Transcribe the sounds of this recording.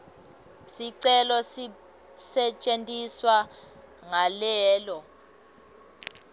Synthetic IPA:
siǀɛlɔs | sɛt͡ʃʼentʼiswa | ŋalɛːlɔ

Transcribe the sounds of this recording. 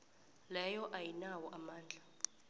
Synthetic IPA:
lɛjɔʔajinawɔʔamaːnd͡ɮʱa

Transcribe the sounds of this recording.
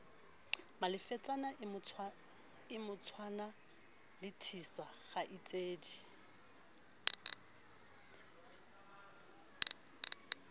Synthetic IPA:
malɪfɛt͡sʼanaʊ | ɪmʊt͡sʰwana | lɪtʰisaχaʔɪt͡sʼeːdi

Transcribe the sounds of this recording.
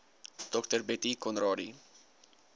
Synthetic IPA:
t̪ɔkt̪eɾbet̪ikɔnɾɔɾi

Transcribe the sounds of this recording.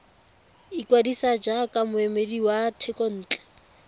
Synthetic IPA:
ikwadisad͡ʒakʼamʊɛmediwatʰɛkɔn̩ːt͡ɬʼɛ̥

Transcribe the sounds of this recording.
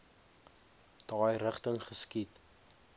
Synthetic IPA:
d̥ɑːjrəχtəŋχəskit

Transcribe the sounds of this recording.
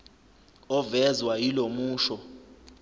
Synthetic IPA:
ɔvɛzwajilomuːʃɔ

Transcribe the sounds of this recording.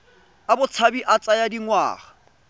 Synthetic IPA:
abʊt͡sʰabiʔat͡sʼajadiŋwa̰ːχḁ

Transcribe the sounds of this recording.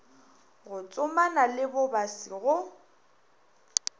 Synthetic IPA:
ɣʊt͡sʼʊmanalɪbʊbasiɣʊ

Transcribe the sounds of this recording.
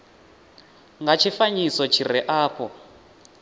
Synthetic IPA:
ŋɡat͡ʃʰifaɲisɔt͡ʃʰiɾɛʔaːpʰɔ

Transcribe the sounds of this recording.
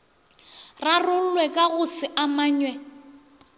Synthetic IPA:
rarʊwɛkʼaɣʊsɪʔamaːɲwɛ

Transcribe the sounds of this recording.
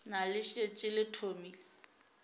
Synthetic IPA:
nalɪʃet͡ʃʼɪlɪtʰomiːlɪ

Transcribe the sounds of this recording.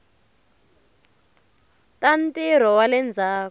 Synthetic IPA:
tantiɾ̤ɔwalɛnd͡zʱaːk

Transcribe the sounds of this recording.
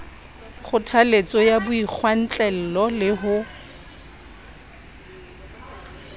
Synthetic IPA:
χʊtʰalet͡sʼɔjabʊik͡xʰwan̩t͡ɬʼɛl̩lɔlɪɦʊ

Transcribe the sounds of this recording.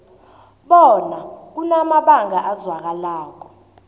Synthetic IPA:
ɓɔnak̬unamaɓaŋʱaʔazwak̬alaːk̬ɔ̥

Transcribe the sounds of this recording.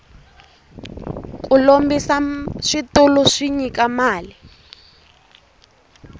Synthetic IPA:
kʼulombisaʂitulʊʂiɲikʼamaːli

